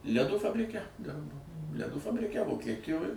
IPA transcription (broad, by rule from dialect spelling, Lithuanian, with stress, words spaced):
lʲɛˈduː fɐbʲrʲɪˈkʲɛ ˈdʲɪrboː lʲɛˈduː fɐbʲrʲɪˈkʲɛ ʋoːkʲiɛˈtʲɪjoːj